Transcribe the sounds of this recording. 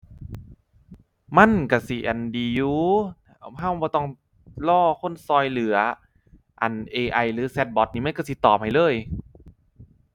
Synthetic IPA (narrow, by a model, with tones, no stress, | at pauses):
ma˧˥˨nka˧˩si˧˩ʔa̰˨˩ndiː˨˦juː˧˦ | ɦa˧˥˨wbɔː˧˦t̪ɔ˧˩ŋ | lɔː˧˥˩kʰo˧˥˨nsɔː˧jlɯ˨˩˦ɐ | ʔa˨˩nʔeː˧ʔa˧˩jlɯː˨˦sɛ˧˥t̪̚bɔ˧˦t̪̚niː˧˩ma˧˥˨ka˧˩si˧˦t̪ɔː˨˩p̚ha˨˩jlɤː˧˥˨j